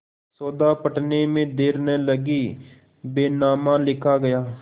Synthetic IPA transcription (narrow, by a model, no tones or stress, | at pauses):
soːd̪aːpəʈneːmẽːd̪eːɾneːləɡiː | beːnaːmãːlɪkʰaːɡəjaː